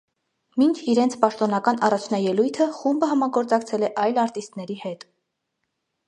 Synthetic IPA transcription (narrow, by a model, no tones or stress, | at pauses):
mint͡ʃʰiɾɛnt͡sʰpɑʃt̪ɔn̪ɑkɑnɑrɑt͡ʃʰnɑjɛlujt̪ʰəχumbəɦɑmɑɡɔɾt͡sɑkt͡sʰɛlɛʔɑjlɑɾt̪ist̪nɛɾihɛt̪